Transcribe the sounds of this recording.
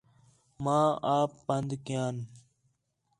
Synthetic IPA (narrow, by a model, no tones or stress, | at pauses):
mãːaːpːənd̪kɪjãːn